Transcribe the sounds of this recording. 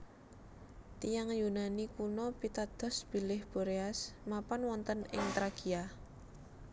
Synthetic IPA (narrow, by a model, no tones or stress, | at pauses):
t̪ijaŋjunanikunɔpit̪ad̪̥ɔ̤sb̥i̤lɪhb̥o̤ɾeasmapɔnwɔnt̪ənɪ̰ŋt̪ɾaɡ̥ia